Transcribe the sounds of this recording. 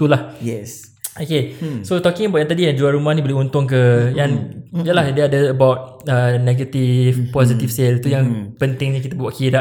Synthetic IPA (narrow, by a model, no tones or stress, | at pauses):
t̪ulahjɛs | okesot̪ɔkɪŋəbawʔjaŋt̪adijaŋd͡ʒuaɾumahnĩbolehunt̪ʊŋk̬əjanijəlahdiəadəːbawt̪̚ | əneɡət̪ifpɔz̬it̪ifselt̪ujaŋpənt̪ɪŋɲikit̪abwaʔkidaʔ